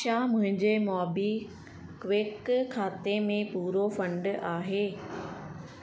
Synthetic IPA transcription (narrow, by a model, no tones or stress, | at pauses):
ʃamʊ̃ɦɪ̃ɲd͡ʑemɔːbi | kʋɪkkʰːaːt̪emẽpuːɾofɐ̃ɳɖaːɦeː